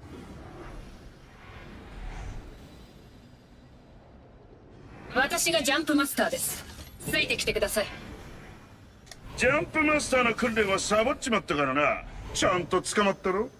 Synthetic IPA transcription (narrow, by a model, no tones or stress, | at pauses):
βat̪aɕiɡad͡ʑãmpɯ̟masɨ̥t̪aːd̪e̞sɨ̥t͡sɨit̪e̞kʲi̥t̪e̞kɯd̪asai | d͡ʑãmpɯ̟masɨ̥t̪aːno̞kɯ̟̃nɾeβasabot͡ɕt͡ɕimat̪ːakaɾana̰t͡ɕãnt̪o̞t͡sɨ̥kamat̪ːaɾo